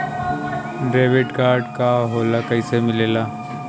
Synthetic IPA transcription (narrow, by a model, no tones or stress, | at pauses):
ɖɾeːʋɪʈkaːɾɖkaɦoːlakɐisemɪleːlaː